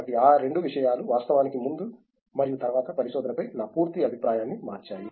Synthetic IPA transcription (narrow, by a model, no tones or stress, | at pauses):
ʈiaːɾe̞ɳɖuʋiʂɐjaːluʋaːst̪ɐʋaːnikimund̪u | mɐɾijut̪ɐɾʋaːt̪ɐpɐɾisɔːd̪ɐnɐpɐjnaːpuːɾt̪iɐbʱipɾaːjaːnːima̰ːɾt͡ʃaːji